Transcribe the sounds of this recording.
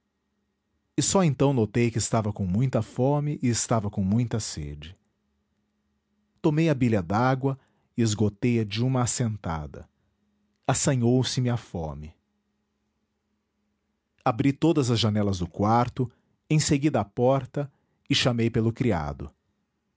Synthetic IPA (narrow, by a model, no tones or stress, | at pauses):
ɪsɔẽnt̪ɐ̃w̃not̪ejkɪst̪avɐkõw̃mũj̃t̪ɐfõmɪʔɪːst̪avɐkõw̃mũj̃t̪ɐsḛd͡ʒɪ | t̪omejɐbiʎɐd̪aɡwɐ | ɪɪzɡot̪ejɐd͡ʒɪũmɐːsẽnt̪a̰d̪ɐ̰ | asɐ̃ɲowsɪmɪafɔ̰̃mɪ | abɾit̪od̪ɐzɐzʒanɛlɐzd̪ʊkwaɾt̪ʊ | ẽj̃seɡid̪ɐapɔɾt̪ɐ | ɪʃamejpelʊkɾia̰d̪ʊ̰